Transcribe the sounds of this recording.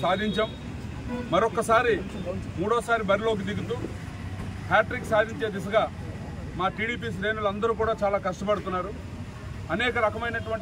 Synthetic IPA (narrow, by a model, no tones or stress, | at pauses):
saːd̪ʱiɲt͡ʃɐm | mɐɾɔkːɐsaːɾimuːɽɔːsaːɾibɐɾilo̞ːk̬id̪iɡut̪uː | paːʈɾikːsaːd̪ʱiɲt͡ʃe̞ːd̪is̬ɐɡaː | maːʈiːɽiːp̬iːs̬ɾe̞ːnulɐnd̪ɐɾuːk̬uːɽaːt͡ʃaːlaːkɐʂʈɐpɐɽut̪unːaːɾu | ɐnɛːkɐɾɐkɐmɐjnɐʈuʋɐɳ